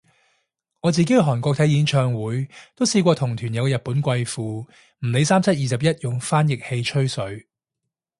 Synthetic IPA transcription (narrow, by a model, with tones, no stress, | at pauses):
ŋɔː˨˧t͡siː˨ke˨˥jɦɔː˨˩nkʷɔː˧k̚t̪ʰɐ˨˥jiː˨˥nt͡ʃʰœː˧ŋwuː˨˥jt̪o˥wsiː˧kʷɔː˧t̪ʰʊ˨˩ŋt̪ʰyː˨˩njɐ˨˧wkɛ˧jɐ˨t̚puː˨˥nkʷɐ˧jfuː˨˧ | m̩˨˩le˨˧˥jsaː˥mt͡sʰɐ˥t̚jiː˨sɐ˨p̬̚jɐ˥t̚jʊ˨ŋfaː˥njɪ˨k̚he˧jt͡ʃʰɵ˥ɥsɵ˨˥ɥ